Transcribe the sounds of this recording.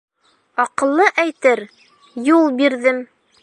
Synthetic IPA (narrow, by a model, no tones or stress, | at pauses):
ɒqɤ̆lˠːɤʔæjt̪ɘɾ | julˠbiɾðɘm